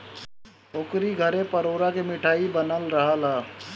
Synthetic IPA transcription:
okɾiɡʱəɾẽpəɾoːɾakemɪʈʰaːibənəlɾəɦalaː

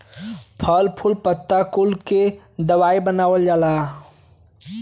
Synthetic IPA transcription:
pʰəlpʰʊlpət̪ːakʊlke | d̪əwaːibənaːwəld͡ʒaːlaː

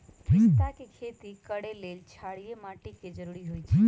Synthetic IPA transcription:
pɪst̪akekʰet̪ikəɽelelt͡ʃʰaɽijemaʈikːed͡ʒəɾuɾiɦoit͡ʃʰe

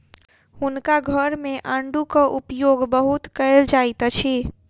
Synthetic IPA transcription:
hunkaɡʱəɾmeʔə̃ɳɖukə̃ʔupjoɡbəɦut̪kəɪld͡ʒajt̪t͡ʃʰi

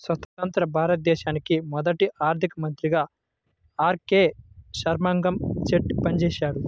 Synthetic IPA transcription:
sʋɐt̪ɐt̪ɐnt̪ɾɐbʱaːɾɐt̪̚d̪ɛːʃaːnikimɔd̪ɐʈiʔaːɾt̪ʰikɐmɐnt̪ɾiɡaː | aːɾkeːʃɐɾmaːŋɡɐmt͡ʃeʈpɐnt͡ʃɛːʃaːɽu

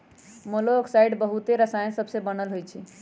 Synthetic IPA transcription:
moloksajɖbəɦut̪eɾəsaj̃səbsebənəlɦojt͡ʃʰi

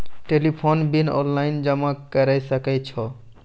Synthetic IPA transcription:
ʈelipʰonbinɔ̰nlajnd͡ʒʌmakəɾajsəkɛjt͡ʃʰɔ

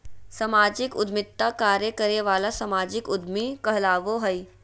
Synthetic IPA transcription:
sɐmaːd͡ʒikʊd̪mɪt̪ːakaːɾjəkəɾeʋaːlasəmaːd͡ʑikʊd̪mikəɦlaːʋoɦəj

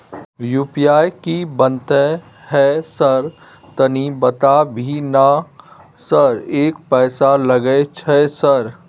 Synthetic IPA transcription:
juːpiaːjkibə̃nt̪ə | ɦɛsəɾ | t̪ɐnibɐt̪abʱina | sɐɾeːkpɛːsalɐɡət͡ʃʰɛsɐɾ

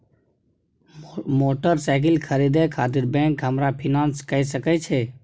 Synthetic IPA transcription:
moːʈəɾsaɪk̬ɪlkʰəɾid̪ekʰaːt̪̬ɪɾbɛ̃ːŋkɦəmɾapʰinãːnskəisəkɛt͡ʃʰɛ

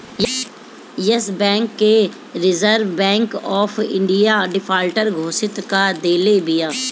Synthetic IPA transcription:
j | jəsbɛ̃ːŋkːe | ɾɪzəɾʋbɛ̃ːŋkɔːfʰɪ̰̃ɳɖijaɖɪpʰaːlʈəɾɡʱoːsɪt̪kad̪eːlebijaː

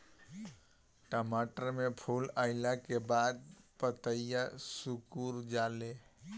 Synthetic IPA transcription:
ʈəmaʈəɾmepʰulaɪlakebad̪̚pət̪əjasukuɾd͡ʒale

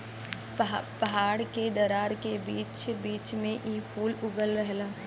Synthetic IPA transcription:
pɐɦaːɽked̪ɐɾaːɾkebiːt͡ʃbiːt͡ʃmẽʔiːpʰuːlʊɡəlɾɐɦlaː

